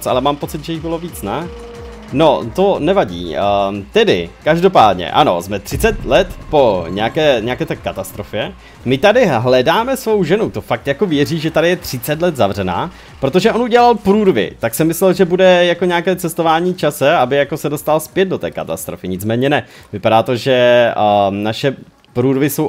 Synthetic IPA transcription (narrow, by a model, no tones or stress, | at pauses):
t͡sʔa̰lɛmaːmpo̞t͡sɪt̪ʒɛjɪɣbɪlo̞viːt͡sna | no̞t̪o̞nɛvaɟḭːt̪ɛdɪ̰kaʒdo̞paːdɲɛ̰ʔa̰no̞̰zmɛt̪r̝̥ɪt͡sɛt̪lɛt̪po̞ɲɛakɛːɲɛakɛːt̪ɛkːat̪ast̪ɾo̞fjɛ | mɪt̪adɪɦlɛdaːmɛsvo̞wʒɛnut̪o̞fak̚t̪jako̞vjɛriːʒɛt̪adɪjɛt̪r̝̥ɪt͡sɛt̪lɛt̪zavrɛna̰ː | pɾo̞t̪o̞ʒɛʔo̞nuɟɛlalpɾuːdvɪ̰t̪aksɛmɪslɛlʒɛbudɛjako̞ɲɛakɛːt͡sɛst̪ovaːɲiːt͡ʃasɛabɪjako̞sɛdo̞st̪alspjɛt̪̚do̞t̪ɛ̰ːkat̪a̰st̪ɾofɪɲɪt͡smɛːɲɛnɛ | vɪpadaːt̪o̞ʒɛ | naʃɛ | pɾuːdvɪso̞w